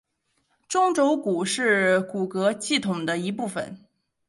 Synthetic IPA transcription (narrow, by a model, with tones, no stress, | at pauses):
ʈ͡ʂʊ˥ŋʈ͡ʂo˧˥ʊku˨˩ʂɻ̩˥˩ku˨˩kɤ˧˥ɕi˥˩t̪ʰʊ˨˩ŋd̪ə˦i˧˥pu˥˩fə̰˨˩˦n